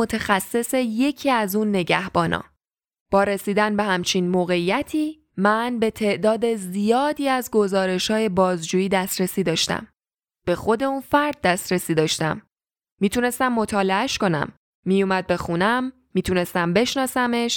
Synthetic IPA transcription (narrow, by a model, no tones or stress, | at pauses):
ot̪ʰæxæsːe̞se̞je̞cʰiːæzuːnːe̞ɟæhbɒːnʔɒ̰ː | b̥ɒːɾe̞siːd̪ænbe̞hæmt͡ʃʰinmoːɣe̞ijæt̪ʰiː | mænbe̞t̪ʰe̞ʔd̪ɒːd̪e̞zijɒːd̪iːæzɡo̞zɒːɾe̞ʃhɒːje̞bɒːzd͡ʒuːjiːd̪æst̪ɾesiːd̪ɒːʃt̪æ̰m | b̥e̞xo̞d̪e̞unfæɾd̪̚ːæst̪ɾesiːd̪ɒːʃt̪æmː | iːt̪ʰune̞st̪æmːo̞t̪ʰɒːle̞æʃko̞næ̰mː | ijumæd̪̚be̞xunæmːiːt̪ʰune̞st̪æmbe̞ʃnɒːsæme̞ʃ